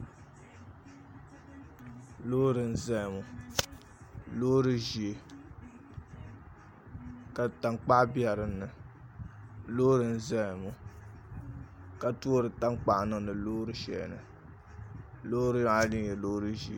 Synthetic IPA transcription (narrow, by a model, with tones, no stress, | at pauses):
loː˦ɾɨ˨n̩˦zɛ˦˨mu˨ | lo˦ɾɨ˦ʒi˨e˨ | ka˨ta˨ŋk͡pa˦bjɛ˨ɾɨ˦nːɨ˨ | lo˦ɾɨ˨n̩˦zɛ˦˨mu˨ | ka˨tu˦o˦ɾɨ˨ta˦ŋ˦k͡pa˦˨ʔnɨ˨nɨ˨loː˦ɾɨ˦ʃɛ̰˨nɨ˨ | loː˦ɾɨ˦li˦ŋjɛ˨lo˦ɾɨ˦ʒi˨e˨